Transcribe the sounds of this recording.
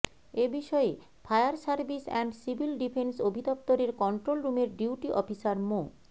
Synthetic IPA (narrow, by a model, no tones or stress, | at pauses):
ebiʃɔe | fʰaeaɾsaɾbisɛ̰ɳɖsibʱilɖipʰensobʱid̪ɔp̚t̪oɾeɾkɔɳʈɾolɾumeɾɖiwʈiʔɔfisaɾmo